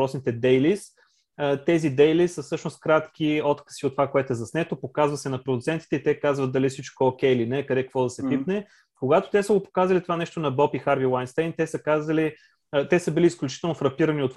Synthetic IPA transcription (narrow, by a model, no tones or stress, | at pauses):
ɾɔsnit̪ɛd̪ɛjlis | ət̪ɛzid̪ɛjlisəfsɤʃnost̪kɾat̪k̟ʲiɔt̪kə̥siot̪ːovakoɛt̪oɛzɐsnɛt̪opokazvəsɛnɐpɾod̪ut̪sɛnt̪i̥t̪ɛit̪ɛkazvət̪̚d̪ɐlifsit͡ʃkook̟ʲɛjlinɛːkɐd̪ɛkə̥kvɔd̪ɐsɛp̪ipnɛ | koɡat̪o̥t̪ɛsəɡopo̥kazɐlit̪ovanɛʃt̪onɐbɔpixaɾbilˠajnst̪ɛjnt̪ɛsəkazəli | t̪ɛsəbiliːsklʲut͡ʃi̥t̪ɛlˠnofɾɐpiɾəniot̪